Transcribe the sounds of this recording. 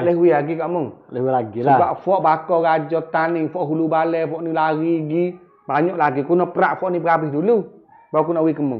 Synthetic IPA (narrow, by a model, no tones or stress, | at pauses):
alɛhwilaɡikamɔŋlɛhwilaɡisiabaʔfɔʔbakɔɡad͡ʒɔt̪aniŋfɔʔɦulubalɛfɔʔnilaɡiɡi | baɲɔʔlaɡikunɔpəɾaʔfɔʔnibɡabihdulu | bak̬unɔwikəmɔ̰ŋ